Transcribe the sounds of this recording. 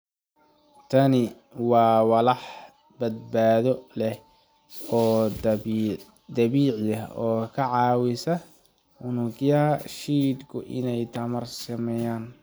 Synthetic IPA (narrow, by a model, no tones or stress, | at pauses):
t̪ʰɐnɪ | wɑːwɑlɑħ | bɐd̪̚baːðɔlɛh | ɔː | d̪ɐβiːʕjɐɔːkʰɐʕɑːwɪsɐ | ʊnʊɡjɐɦɐʃiːd̪kʰʊʔɪ̰nɛjt̪ʰɐmɐrsɐmɛjaːn